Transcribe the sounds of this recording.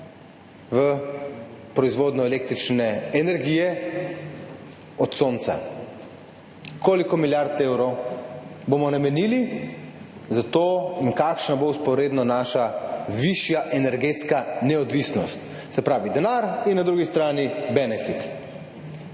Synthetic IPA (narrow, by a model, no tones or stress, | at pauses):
ʋə | pɾɔizʋoːd̪nɔeleːk̚t̪ɾit͡ʃnɛɛnɛɾɡijɛ | ɔt̪soːnt̪sa̰ | koːlikɔmiljaɾt̪ewɾɔw | bomɔnamɛniːli | zat̪oːinkakʃnabouspɔɾeːd̪nɔnaːʃaʋiʃjaʔɛnɛɾɡet̪skanɛɔd̪ʋisnɔst̪ | sɛpɾaːʋid̪ɛnaɾinːad̪ɾuːɡist̪ɾaːnibɛnɛfit̪